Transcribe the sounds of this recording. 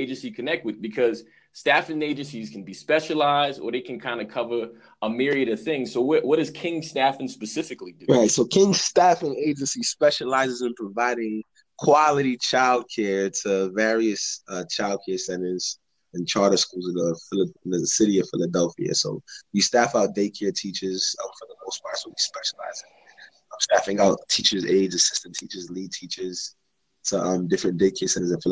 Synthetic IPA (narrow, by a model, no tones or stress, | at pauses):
eɪd͡ʒɨ̃nsikʰɨnɛk̚t̚wɨðbɨkʰʌz̥ | stæfɨ̃neɪd͡ʒɨ̃nsiz̥kʰn̩bispɛʃəlaɪzdə̰˞ðeɪkʰɨ̃nkʰãɪ̃ndɨkʰʌvə˞ | ʔəmɪɹiɨɾʌv̥θɪ̃ŋz̥soʊwʌʔ̚wʌɾɨz̥kʰɪ̃ŋstæfɨ̃n̩spɨsɪfɨklidɹaɪtsoʊkʰɪ̃ŋstæfɨ̃neɪd͡ʒɨ̃nsispɛʃəlaɪzɨzə̃npʰɹ̥əvaɪɾɪ̃ŋ | kʰw̥ɑlˠɨɾit͡ʃʰaɪlˠd̚kʰɛɹtʰəvɛɹiɨsʌt͡ʃʰaɪlˠd̚kʰɛɹsɛ̃ñə˞z̥ | ɨ̃nt͡ʃʰɑɹɾə˞skulˠzɨ̃nðəɪlə̃nðɨsɪɾiʌv̥fɪlˠədɛlˠfiɨ̰soʊwistæfaʊt̚d̥eɪkʰɛɹtʰit͡ʃə˞z̥ʌ̰̃ɱfə˞ðəmoʊspʰɑswəwispɛʃəla̰ɪzɪ̃ŋ | ʌ̃mstæfɪ̃ŋaʊtʰit͡ʃə˞zeɪdzɨsɪstntʰit͡ʃə˞zlid̚tʰit͡ʃə˞z̥ | tʰəʔʌ̃mdɪfɹɨ̃ndeɪkʰɛɹsɛ̃ñə˞zɨ̃nfɪ